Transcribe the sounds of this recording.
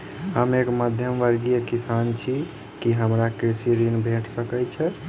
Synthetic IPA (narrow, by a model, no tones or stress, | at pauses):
həmekməd̪ʱjəmʋəɾɡijəkisant͡ʃʰi | kiɦəmɾakɾisiɾinbʱeʈʰsəkɛt͡ʃʰɛ